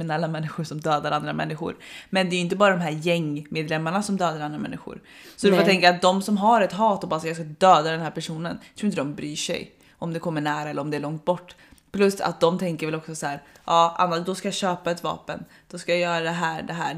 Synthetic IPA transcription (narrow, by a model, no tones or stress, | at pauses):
ɪnalːamɛnːɪxʊɾʂɔmd̪øːd̪aɾand̪ɾamɛ̰nːɪɧʊ̰ɾmɛnd̪ɛɾʏɪnt̪əbɑːɾad̪ɔmɦæːɾjɛŋːmeːd̪lɛmːaɳasɔmd̪øːd̪aɾand̪ɾamɛ̰nːɪ̰ɧʊ̰ɾsɔd̪ɛfaɾt̪ʰɛŋkaɾat̪̚d̪ɔmsɔmɦaɾɛt̪ɦɑːt̪ɔbɑːɾsajɑskad̪øːd̪ad̪ɛnhæːɾpʰæʂuːnənjt̪ʰɾuːɪnt̪d̪ɔmbɾyːʂɛ̰j | ʔɔmd̪ɛkʰɔmːəɳæːɾaɛlːəɾɔmd̪ɛæɭɔŋt̪̚bɔʈː | pʰlɵsa̰t̪̚d̪ɔmt̪ʰɛŋkəɾvɛlɔksɔshæːɾʔɑːʔa̰nːaʂd̪ɔskajɑɕøːpaɛt̪vɑ̰ːpən | d̪̥ɔskajajœːɾad̪ɛɦæːɾɖɛɦæ̰ː